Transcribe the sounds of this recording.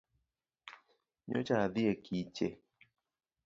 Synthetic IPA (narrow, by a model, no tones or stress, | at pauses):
ɲɔ̰t͡ʃaaðiekʰit͡ʃe